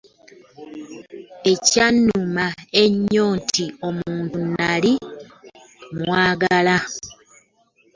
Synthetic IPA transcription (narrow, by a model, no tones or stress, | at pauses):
e̞canːumae̞ɲːo̞ːntʰio̞muːntunːali | mwwaːɡala